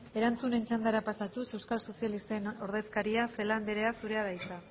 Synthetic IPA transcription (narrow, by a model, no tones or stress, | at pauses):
e̞ɾant͡sunent͡ʃand̪aɾapasat̪use̞wskalso̞sjalist̪eno̞ɾðe̞skaɾiase̞land̪eɾe̞asuɾe̞aðajt͡sa